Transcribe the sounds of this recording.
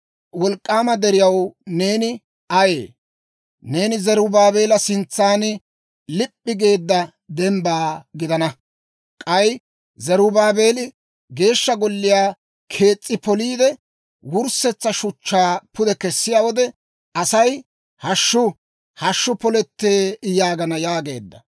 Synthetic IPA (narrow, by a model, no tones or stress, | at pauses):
wɔlkʼːaːmɐd̪ɛɾɪjɐwne̞ːnɪ | ʔɐjḛː | ne̞ːnɪzɛɾʊbaːbe̞ːlɐsɪnt͡sːaːn | lɪpʼːɪɡe̞ːd̪ːɐ | d̪ɛmbaːɡɪd̪ɐnɐ | kʼɐj | zɛɾʊbaːbe̞ːlɪ | ɡe̞ːʃːɐɡɔlːɪjaː | kʰe̞ːt͡sʼːɪpɔliːd̪ɛ | wʊɾsɛt͡sːɐʃʊt͡ʃːaːpʊd̪ɛkɛsːɪjaːwɔd̪ɛ | ɐsɐj | hɐʃːʊ | hɐʃːʊpɔlɛt̪ːeːjaːɡɐnɐjaːɡe̞̰ːd̪ːɐ